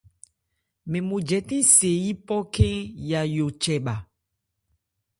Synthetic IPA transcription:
mẽ˨mũ˨d͡ʒɛ˨˦tĩ˦se˨ji˦pɔ˦kẽ˦ja˨jo˨t͡ʃɛ˨ɓa˨

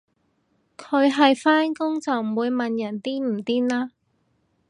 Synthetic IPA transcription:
kʰɵ˨˧ɥɦɐ˨jfaː˥nkʊ˥ŋt͡sɐ˨wm̩˨˩wuː˨˧jmɐ˨njɐ˨˩nt̪iː˥m̩˨˩t̪iː˥nlaː˥

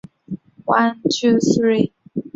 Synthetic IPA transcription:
wã˦ntʰu˦θɹi

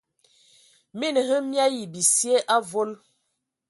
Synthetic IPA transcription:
mi˦n˨hə˦mja˦ji˨bi˨sje˦ʔa˦vo˦l

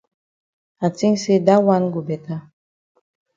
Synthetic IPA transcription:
a˨ti˦ŋse˦da˦wa˦nɡu˨bɛ˨ta˦

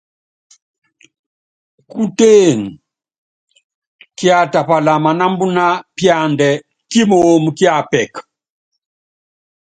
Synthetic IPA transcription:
ku˦te˦˨n˨ | kja˦˨ta˨pa˨la˨ma˨na˦mbu˦na˦pja˨ndɛ˨ | ki˦mo˦mu˨kja˨pɛ˨k

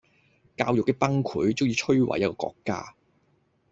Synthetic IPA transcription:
kaː˧wjʊ˨kːɛ˧pɐ˥ŋkʰuː˨˥jt͡sʊ˥ŋjiː˧t͡ʃʰɵ˥ɥwa̰˨jɐ˥t̚kɔː˧kɔ̰ː˧kːa̰ː˥

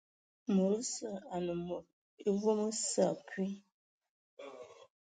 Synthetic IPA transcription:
mo˨ɾə˦sə˦˨a˨nə˨mo˨p̚ | i˦vo˦mə˦sa˦˨kwi˦

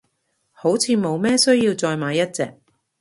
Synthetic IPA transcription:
ho˨˥wt͡sʰiː˨˧mo˨˧wmɛː˥sɵ˥ɥjiː˧wt͡sɔː˧jmaː˨˥jɐ˥t̚t͡sɛ̰ː˧k̚

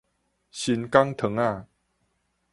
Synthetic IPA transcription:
ɕi˨˧nka˦ŋt̪ʰə˨˧˦ŋa˥˧˨

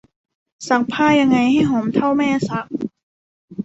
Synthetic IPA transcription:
sa˨˥k̚pʰaː˥˩ja˧ŋːa˧jha˥˩jɦoː˩˦mt̪ʰa˥˩wmɛː˥˩sa˧˥k̚

